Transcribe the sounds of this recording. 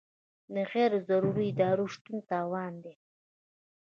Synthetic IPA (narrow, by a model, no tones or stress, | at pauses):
d̪əɣeɾzaɾuɾiɪd̪ɑːɾoʂt̪unt̪ɑːwɑːnd̪e